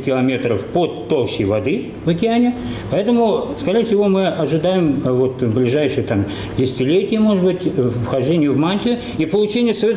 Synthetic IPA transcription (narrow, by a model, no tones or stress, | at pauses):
kʲɪlˠɐmʲe̞t̪ɾəfpot̪ːolˠɕɪ̰jvɐd̪ɨ | vɐkʲɪanʲɪpɐɛt̪əmʊskɐɾʲejəfʲsʲɪvo̞mɨɐʐɨd̪ajɪmvot̪blʲɪʐajʂɨjət̪am | dʲɪsʲɪ̥tʲɪlʲetʲɪjəmo̞ʐɨd̪bɨtʲfxɐʐdʲenʲɪjʊvmanʲt̪ʲɪʊ | ipəlˠʊt͡ɕenʲɪjəsɐet̪